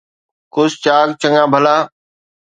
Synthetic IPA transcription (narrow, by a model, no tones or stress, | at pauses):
kʊst͡ʃaːɡt͡ʃəŋãːbʱəlaː